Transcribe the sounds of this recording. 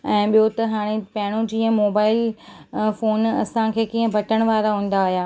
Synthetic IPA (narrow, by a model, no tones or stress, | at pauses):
ɛ̃ːɓijot̪ɐɦaːɽ̃epɐɦɪɽ̃õd͡ʑiːə̃moːbaːɪl | foːnɐsãkʰeːkiːə̃bʱɐʈəɽ̃ʋaːɾaɦũːn̆d̪aːɦjaː